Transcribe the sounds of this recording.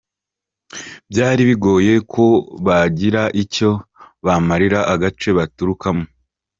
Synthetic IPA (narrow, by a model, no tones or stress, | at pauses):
bjaːɾiβiɡo̞ːje̞kʰo̞βaɟiɾaʔico̞βamaɾiɾaʔaɡat͡ʃe̞βatuɾukamo